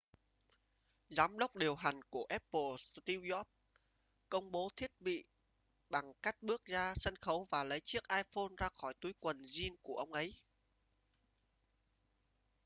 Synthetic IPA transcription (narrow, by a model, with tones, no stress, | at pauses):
zaː˨˦mɗə˦˥wk͡p̚ɗi˨˩əwɦa˨˩jŋ̟ku˧˩əʔɛ˦˥pːə˨˩st̪i˧wjɔ˦˥p̚ | kə˧wŋ͡mɓo˨˦t̪ʰi˦˥ət̚ɓḭ˧˨ | ɓa˨˩ŋka˦˥jk̟̚ɓɨ˦˥ək̚zaː˧sə˧nxə˨˦wvaː˨˩lə˨˦jt͡ɕɨ˦˥ək̚ʔaː˧jfo˧nzaː˧xɔ˧˩jt̪u˨˦jkwə˨˩nzi˧ənku˧˩əʔə˧wŋ͡mʔə˨˦j